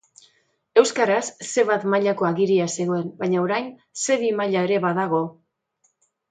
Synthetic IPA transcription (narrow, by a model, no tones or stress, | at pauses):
e̞wskaɾasːe̞βat̪maʎako̞aɣiɾiase̞ɣo̞e̞nbajɲaoɾajn | se̞βimaʎae̞ɾe̞βaðaɣ̞o̞